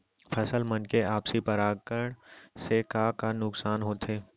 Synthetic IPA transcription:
pʰɐsəlmɐnkeaːpsipɐɾaːɡkəɽsekakanʊksaːnɦoːt̪ʰeː

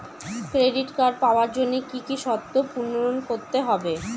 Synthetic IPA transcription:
kɾeɖiʈkaɾpaoaɾd͡ʑonːekikiʃɔt̪ːopuɾnːoɾonkoɾt̪eɦɔbe

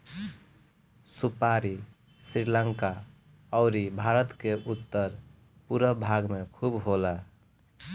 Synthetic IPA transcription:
supaɾi | sɾiləŋka | ɔʊɾibʱaɾət̪keʔut̪ːəɾ | puɾəbʱaɡmekʰubɦolə

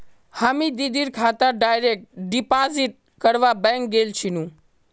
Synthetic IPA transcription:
hamid̪id̪iɾkʰaːt̪əɖaːjɾek̚ʈɖipaziʈ̚ | kəɾʋabɛ̃ŋk̚ɡelt͡ʃʰinũ

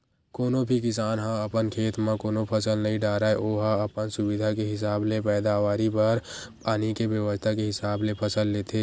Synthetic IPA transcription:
koːnobʱikɪsaːnɦãəpənkʰeːt̪mẽkoːnopʰəsəlnəɦĩɖaːɾaːeʔoːɦãəpənsʊbɪd̪ʱakeɦɪs̬aːblepɛːd̪aʋaːɾipəɾpaːnikebjəwəst̪ʰakeɦɪsaːblepʰəsəlːeːt̪ʰeː

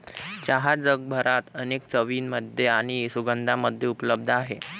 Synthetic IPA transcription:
t͡ɕaɦad͡zəɡ̚bʱəɾat̪ənek̚t͡səʋiːnməd̪ʱjeaɽ̃isuɡənd̪ʱaməd̪ʱjeupləb̚d̪ʱaɦe

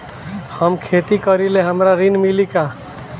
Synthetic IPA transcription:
həmkʰet̪ikəɾileɦəmɾaɾinmilika

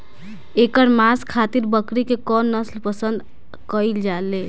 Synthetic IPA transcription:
ekəɾmaskʰat̪iɾbəkɾikekɔnːəslpəsənd̪ | kəjld͡ʒale

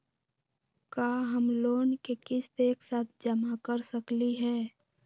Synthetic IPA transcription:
kaːɦəmloːnkekɪst̪eːksaːt̪ʰd͡ʒəmakəɾsəkliɦɛː

